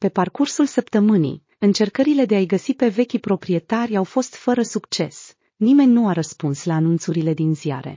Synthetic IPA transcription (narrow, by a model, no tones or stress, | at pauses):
pe̞parkursulsəpt̪əmɨnḭj | ɨnt͡ʃe̞rkəɾile̞d̪e̞ajɡəsipe̞ve̞kʲipɾo̞pɾie̞t̪arʲawfo̞st̪fəɾəsukt͡ʃe̞s | nime̞nʲnuaɾəspunslaːnunt̪suɾile̞d̪inzia̰ɾḛ